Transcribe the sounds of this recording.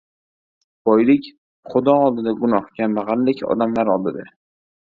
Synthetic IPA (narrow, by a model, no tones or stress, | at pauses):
b̥ɒjlɪkʲ | χʊd̪ɒɒlˠd̪ɪd̪aɡʊnɒhɡʲanbaʁanlːɪkʲʰɒ̰d̪amlaɾɒlˠd̪ɪd̪a